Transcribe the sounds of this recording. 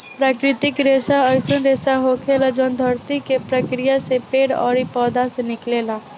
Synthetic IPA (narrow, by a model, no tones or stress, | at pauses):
pɾaːkɾɪt̪ɪkɾeːsaəɪsə̃nɾeːsaɦokʰeːlad͡ʒɔːnd̪ʱəɾt̪ikepɾəkɾɪjasepeːɽɔ̰ːɾipɔːd̪asenɪkleːlaː